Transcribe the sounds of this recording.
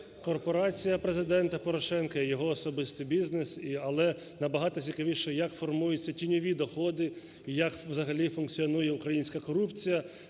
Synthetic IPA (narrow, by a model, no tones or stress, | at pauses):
kɔrpɔɾɑt͡sʲijɐpɾezɪd̪ɛnt̪ɐpɔɾɔʃɛnkɐijɔɦɔːsɔbɪst̪ɪjbʲiznesiɐlˠɛ | nɐbɐɦɑt̪ɔt͡sʲikɐʋʲiʃɛjɐkfɔrmujʊt͡sʲːɐtʲinʲɔʋʲid̪ɔxɔd̪ɪ | ijɐkwzɐɦɐlʲifʊnkt͡sʲiɔnujɛukɾɐjinʲsʲkɐkɔɾupt͡sʲijɐ